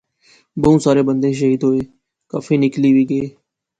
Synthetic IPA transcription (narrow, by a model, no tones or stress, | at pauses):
bəũːsaːɾeːbənd̪eːʃ̬əɦiːd̪ɦoːeː | kaːfʰiːnɪkliːʋiːɡəeː